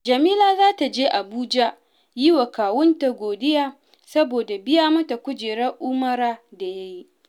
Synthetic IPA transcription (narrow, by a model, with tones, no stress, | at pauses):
d͡ʒɐ˨miː˦laː˦zaː˦ta˨d͡ʒeː˦ʔa˨buː˦d͡ʒa˦ | ji˦wa˨kaː˨wʊ˦nta˨ɡʷoː˨dɪ˦jaː˦ | sɐ˦boː˨da˨bɪ˦jaː˦mɐ˦ta˨kʷʊ˦d͡ʒeː˨ɽɐ˦ʔʊː˦mɐ˦ɾaː˦da˨ja˦ji˦ʔ